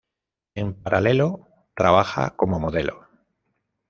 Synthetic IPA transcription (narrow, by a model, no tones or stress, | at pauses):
e̞mpaɾʔale̞lo | t̪ɾaβ̞axa̰ko̞momoðe̞lʔo̰